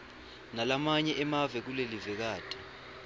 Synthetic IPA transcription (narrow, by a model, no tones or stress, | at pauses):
nalamaɲɛʔɛmavɛk̬ulelivɛk̬aːtʼi̥